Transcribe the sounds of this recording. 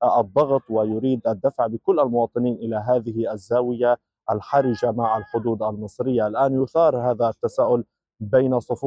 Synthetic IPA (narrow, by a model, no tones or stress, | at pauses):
ʔɑd̪ˤːɑɣt̪ˤwɪjʊɾiːd̪ʔad̪ːafʕbɪkʊlːʔalmʊwɑːt̪ˤɨniːnʔɪlaɦaːðɪhɪʔazːaːwɪja | ʔalħaɾɪd͡ʒamaʕʔalħʊd̪uːd̪almɨsˤɾɪjːaʔalʔaːnjʊθɑːɾˤhaːðaat̪ːasaːʔʊl | bajnasˤʊfuː